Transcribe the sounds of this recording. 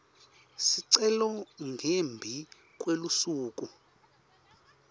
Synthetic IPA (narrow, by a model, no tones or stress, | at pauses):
siǀɛlɔŋɡʱembʱi | kʼwelusuːk̬ʼu